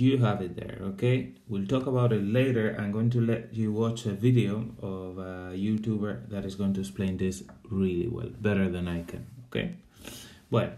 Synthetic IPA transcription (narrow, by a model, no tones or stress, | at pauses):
jɨɦavɪt̪̚ðɛ̰˞okʰeɪ | wilˠtɔkəβaʊɾɪtˡleɪɾə˞ʔã̰jmɡoɪ̃ŋt̬ulɛt͡ʃuwɑt͡ʃəviɾioʊɔvəjutubə˞ðaɾɨsɡoʊɪ̃ŋtuɛksplẽɪ̃nd̪ɪsɹilḭwɛ̰lˠbɛɾə˞ðæ̃najkʰɨ̰̃nokʰḛɪ | wɛ̰l